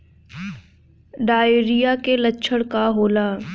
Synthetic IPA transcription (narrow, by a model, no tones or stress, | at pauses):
ɖaːeɾijakelətːʃʰəɽkaɦoːlaː